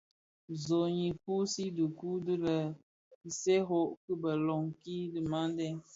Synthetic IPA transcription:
zo˨ɲi˨pu˦si˦du˨ku˦di˦lə˨ | i˨se˦ɦo˦˨ʔkɨ˦bə˨lɔ˨ŋki˦di˨ma˦n˦dɛ˦

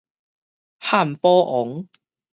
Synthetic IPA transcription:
haː˥˩˨mpɔː˦˥ʔɔ˨˦ŋ

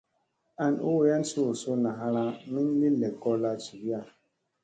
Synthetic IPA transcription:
a˨nʔṵ˦wja˦n̩˦su˦o˨su˦na˨ɦa˦ɾa˦mi˦n˦li˦lɛ˨kɔ˦la˦t͡ʃi˨bja˦˨

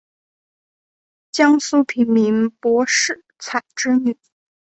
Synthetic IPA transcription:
t͡ɕjɑ˥ŋsu˥pʰi˧˥nmi˧˥npwɔ˧˥ʂɻ̩˥˩ | t͡sʰa˨˩ɪʈ͡ʂɻ̩˥ny˨˩˦

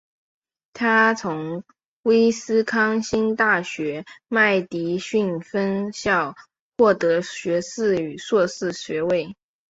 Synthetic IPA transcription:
t̪ʰa˥t͡sʰʊ˧˥ŋ | we˥ɪsɹ̩˥kʰɑ˥ŋɕi˥nt̪a˥˩ɕɥɛ˧˥ma˥˩ɪt̪i˧˥ɕy˥˩nfə˥nɕjɑ˥˩ʊ | xwɔ˥˩t̪ɤ˧˥ɕɥɛ˧˥sɹ̩˥˩y˨˩swɔ˥˧sɹ̩˥˩ɕɥɛ˧˥we˥˩ɪ

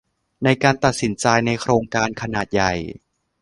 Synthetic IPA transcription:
na˧jkaː˧nt̪a˨˩t̪̚si˩˦nt͡ɕaː˧jna˧jkʰɾoː˧ŋkaː˧nkʰa˧naː˨˩t̪̚ja˨˩j

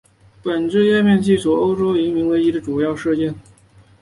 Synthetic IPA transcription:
pə˨˩nʈ͡ʂə˥˧jɛ˥˧mjɛ˥˧nt͡ɕʰi˥˩swɔ˨˩o˥ʊʈ͡ʂo˥ʊi˧˥nmi˧˥ŋwe˧˥ɪi˧˥d̪ə˧ʈ͡ʂu˨˩jɑ˥˧ʊʂ̩˥˧t͡ɕjɛ˥˩n

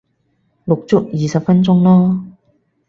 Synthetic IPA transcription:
lʊ˨k̚t͡sʊ˥k̚jiː˨sɐ˨p̚fɐ˥nt͡sʊ˥ŋlɔː˥

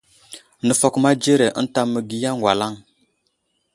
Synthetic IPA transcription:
nə˨fo˦kma˦d͡ʒe˦ɾe˨ʔə̰˦n˦ta˦mə˨ɡi˦ja˦ŋwʷa˨la˦ŋ

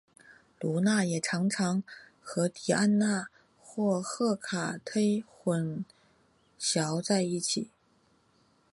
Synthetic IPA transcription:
lu˧˥na˥˩jɛ˨˩ʈ͡ʂʰɑ˧˥ŋʈ͡ʂʰɑ˧˥ŋ | xɤ˧˥t̪ʰi˨˩a˥˧nna˥˩ | xwɔ˥˩xɤ˥˩kʰa˨˩t̪ʰe˥ɪxwə˧˩n | ɕjɑ˧˥ʊt͡sa˥˧ɪi˥˩t͡ɕʰi˨˩˦

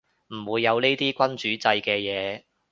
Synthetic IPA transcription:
m̩˨˩wuː˨˧jːɐ˨˧wne˥t̪iː˥kʷɐ˥nt͡ʃyː˨˥t͡sɐ˧jkɛː˧jɛː˨˧

